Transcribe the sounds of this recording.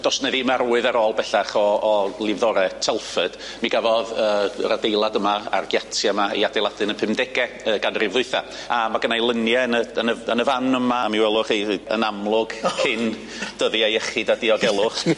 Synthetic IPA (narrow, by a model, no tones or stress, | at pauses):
d̥ɔsnɛðimaɾuːɨðaɾoːlˠbɛɬaχɔːlˠɪvðɔɾɛtʰɛlˠfəd̥ | miɡavɔðəːradejlˠadəmaa̰rɡjatʰjaəmaḭadejlˠadɨnənpʰɪmdɛɡɛ | əːɡanrɪvðʊɨθa̰ | amaɡ̥ənajlˠənjɛnəənəənəvanəmaamiwɛlˠʊχeə̰namlˠʊɡ̥kʰɪn | d̥əðiajɛχɪdadiɔɡɛlˠʊχ